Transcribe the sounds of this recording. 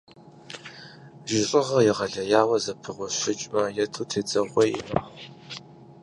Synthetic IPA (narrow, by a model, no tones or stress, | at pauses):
ʒɪɕʼɪʁɐjɪʁɐɮɐjaːwɐzɐpʰɨʁʷɔɕɪt͡ʃʼmɐjɛtʰuːtʰeːt͡sʼɐʁʷejɪ̰mɐʁ